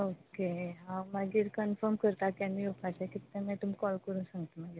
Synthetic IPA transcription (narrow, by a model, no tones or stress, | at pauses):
okeɦãmaɡiːɾkənfəɾmkəɾt̪akãmiofʰat̪akit̪ːemãt̪um̤ikɔlkəɾũːnsãŋɡt̪amaɡiɾ